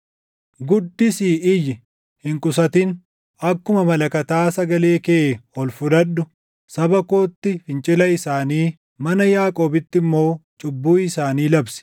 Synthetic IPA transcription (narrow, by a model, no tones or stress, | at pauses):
ɡʊd̪ːɪsiːʔɪjɪ | hɪŋkʼʊsɐt̪ɪn | ɐkːʊmɐmɐlɐkɐt̪aːsɐɡɐle̞ːkeɔlfʊd̪ɐɗːʊ | sɐbɐko̞ːt̪ːɪfɪnt͡ʃʼɪlɐɪsaːniː | mɐnɐjaːkʼo̞ːbɪt̪ːɪmːo̞ːt͡ʃʼʊbːuːɪsaːniːlɐbsɪ̥